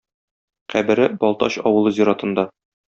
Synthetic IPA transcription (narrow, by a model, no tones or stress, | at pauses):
qæbɘ̆ɾɘbɒlˠt̪ɑ̰ɕɒwɤ̆lˠɤzʲiɾɑt̪ɤ̆nd̪ɑ